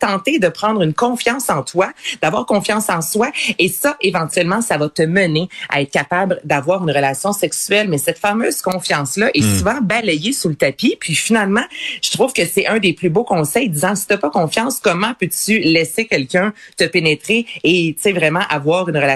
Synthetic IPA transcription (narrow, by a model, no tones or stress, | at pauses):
t̪ɑ̃t̪ɪd̪əpʁɑ̃d̪ʁynkɔ̃fjɑ̃ːsɑ̃t̪wad̪avwaːʁkɔ̃fjɑ̃sɑ̃swaesʌʔevɑ̃t̪yɥɛlmɑ̃savʌt̪əmənea̰ɛːt̪χkʲapabld̪avwaːʁynʁəlasjɔ̃sɛksyɛlmɛsɛt̪famøːz̥kɔ̃fjɑ̃slʌʔɛsuvɑ̃balɛjesulət̪apipɥifinalmɑ̃ʒ̥ə̥t̪χuːv̥kəsɛʔœ̃d̪eplybokɔ̃sɛjd̪izɑ̃si̥t̪apɔkɔ̃fjɑ̃skɔmɑ̃pøt̪ylɛsekʲɛlkʲœ̃t̪əpenet̪ʁeːt̪t͡sevʁɛmɑ̃ʔavwaːʁynʁəla